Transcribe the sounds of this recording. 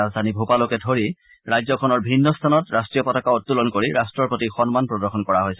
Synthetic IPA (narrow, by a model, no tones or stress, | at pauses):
azdʱanibʱupalokɛdʱoɹi | ɹajzɔkʰɔnɔɹbʱinːɔstʰanɔtɹastɹijɔpɔtakaɔtːulɔnkoɹiɹastɹɔɹpotixɔnmanpɹɔdɔɹxʰɔnkɔɹaɦojsɛ